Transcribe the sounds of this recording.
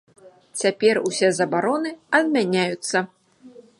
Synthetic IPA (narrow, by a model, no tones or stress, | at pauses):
t͡sʲapʲɛrusʲɛzɐbaɾɔnɨɐd̪mʲanʲajut̪sːɐ